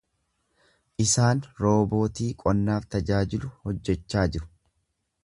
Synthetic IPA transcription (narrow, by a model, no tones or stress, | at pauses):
ʔɪsaːnɾo̞ːbo̞ːt̪iːkʼɔnːaːft̪ɐd͡ʒaːd͡ʒɪlʊhɔd͡ʒːɛt͡ʃːaːd͡ʒɪɾʊ̥